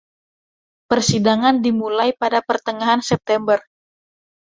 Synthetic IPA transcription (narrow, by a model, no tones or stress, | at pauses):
pərsidaŋandimulajpadapərt̪əŋaɦansɛp̚t̪ɛmbər